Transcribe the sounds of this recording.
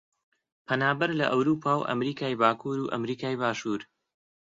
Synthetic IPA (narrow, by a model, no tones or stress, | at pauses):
pʰɐnaːbɐɾlɐʔɐwɾuːpʰaːwʔɐ̰mɾiːkʰaːjbaːkʰuːɾuːʔɐ̰mɾiːkaːjbaːʃuːɾ